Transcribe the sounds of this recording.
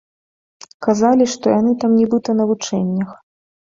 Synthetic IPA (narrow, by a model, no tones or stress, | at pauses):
kazalʲiʂt̪ɔjanɨt̪amnʲɛbɨt̪ɐnɐvut͡ʂɛnʲːɐx